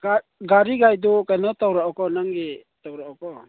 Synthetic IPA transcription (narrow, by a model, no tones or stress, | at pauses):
a | ɡaɾiɡajdɔkanɔtawɾaʔɔkɔnaŋɡetawɾaʔɔkɔ